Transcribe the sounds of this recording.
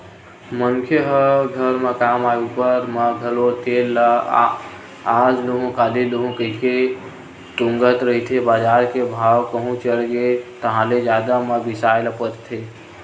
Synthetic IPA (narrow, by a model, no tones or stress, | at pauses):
məŋkʰjəɦəɡʱəɾmekamajupəɾməɡʱəlot̪elːə | ad͡ʒloɦũkaliloɦũkəɦike | ʈũŋɡət̪ɾəɦit̪ʰebad͡ʒaɾkebʱawkəɦũt͡ʃəlɡet̪əɦãled͡ʒad̪aməbisajləpət̪t̪ʰe